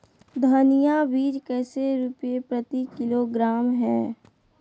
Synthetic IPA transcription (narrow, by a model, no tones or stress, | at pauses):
d̪ʱaːnijabiːd͡ʒkɛːseɾʊpepɾət̪ikɪloɡɾaːmɦɛː